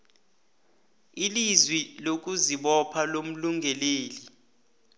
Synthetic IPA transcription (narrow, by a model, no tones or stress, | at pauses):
ilizwilok̬uziɓɔpʰalom̩luŋʱɛleːli